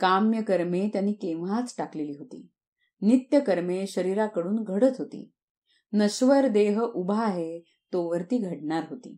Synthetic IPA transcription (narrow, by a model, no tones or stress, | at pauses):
kamjəkəɾmet̪janiːkeʋat͡sʈakleliːɦot̪ḭː | nit̪jəkəɾmeɕəɾiɾakəɽuːnɡʱəɽət̪ɦot̪ḭː | nəɕʋəɾd̪eɦʔubʱaɦe | t̪oʋəɾt̪iːɡʱəɽɳaɾɦot̪ḭː